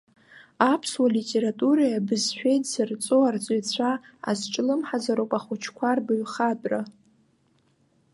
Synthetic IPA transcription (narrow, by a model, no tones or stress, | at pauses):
apʰswalitʲʼe̞ɾatʼuɾajabɨzħʷᶣejtʼsɨrt͡sʷʼoart͡sʼat͡sʷʰa | a̰zʈ͡ʂʼlɨmħazaɾowpʼaχʷʊt͡ʃʰkʷʰarbɨɥχatʼra